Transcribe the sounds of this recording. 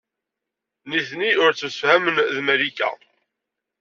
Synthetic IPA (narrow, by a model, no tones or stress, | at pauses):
niθniʊɾt͡sːəmsəfhæmənðmæɾikæ̰